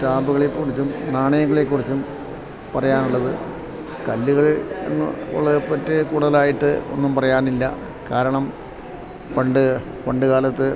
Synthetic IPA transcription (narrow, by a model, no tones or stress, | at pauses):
ʈaːmbuɣɐɭekːuɽit͡ɕːumnaːɳɐjɐŋːɐɭekːurit͡ɕːum | pɐrɐjaːnuɭːɐðɨ | kɐlːuɣɐɭɐ̰ŋːɐ̰o̰ɭːɐðepːɐtːɨkuːɽuðɐlaːjiʈːɨo̞̰nːumpɐrɐjaːnilːɐ̰ | kaːɾɐɳɐm | pɐɳɖɨ | pɐɳɖɨkaːlɐt̪ːɨ